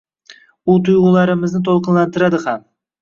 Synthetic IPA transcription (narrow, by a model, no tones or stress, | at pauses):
ʊt̪ʰʊjʁʊlˠaɾɪmɪznɪt̪ʰolˠqɨnlant̪ʰɪɾad̪ɪham